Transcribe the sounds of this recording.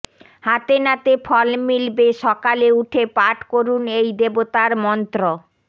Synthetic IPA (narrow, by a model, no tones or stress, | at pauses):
hat̪enat̪efʰɔlmilbeʃɔkaleuʈʰepaʈkoɾunejd̪ebot̪aɾmɔnt̪ɾo